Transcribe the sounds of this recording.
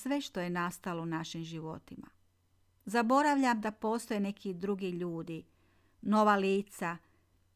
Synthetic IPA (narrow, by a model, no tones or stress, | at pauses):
sʋe̞ʃt̪o̞je̞nast̪alounaʃimʒiʋo̞̰t̪ima̰ | zabo̞ɾaʋʎamd̪apo̞ːst̪o̞jene̞kʰid̪ɾuɡiʎuːd̪i | no̞ʋaliːt̪sa